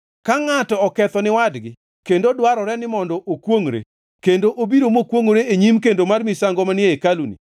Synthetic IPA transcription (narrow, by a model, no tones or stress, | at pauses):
kaŋatɔɔkɛt̪ɔnɪwadɡɪ | kendodwaɾɔɾɛnɪmɔndɔʔokwoŋɾḛ | kendoʔobiɾomokwoŋɾeeɲimkendomarmisaŋɡɔmanɪeekalunḭ